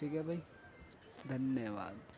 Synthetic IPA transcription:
ʈʰikɛbʱai | d̪ʱɐnjəʋa̰ːd̪

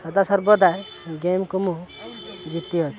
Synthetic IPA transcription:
sɐd̪asəɾbɔd̪ae | ɡemkumu | d͡ʒit̪ːiɦot͡ʃ̪ʰ

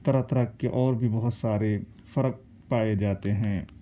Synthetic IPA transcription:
t̪əɾat̪ɾakkeʔɔːɾbʱibɐɦʊt̪saːɾe | fɐɾək̚ | paːed͡ʒaːt̪eɦɛ̃ː

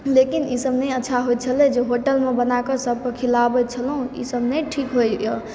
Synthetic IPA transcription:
lekinisəbnəətːʃʰaɦojt̪t͡ʃʰəlɛd͡ʒeɦoʈəlmebənakəsəb̚ʱkəkʰilabət͡ʃʰəlɦũḭsəbnəʈʰikɦojjɔ

